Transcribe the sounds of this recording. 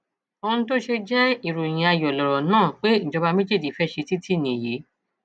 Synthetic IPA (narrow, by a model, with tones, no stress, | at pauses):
õ˧ñ̩˦to˦ʃe˧d͡ʒɛ˦i˨ɾo˨j̃ĩ˨a˧jɔ˨lɔ˨ɾɔ˨nãː˦˨k͡pe˦ñ̩˨d͡ʒɔ˧ba˧mẽ˦d͡ʒe˦˨di˨fɛ˦ʃe˧ti˦tʰi˦˨nĩ˨je˨˦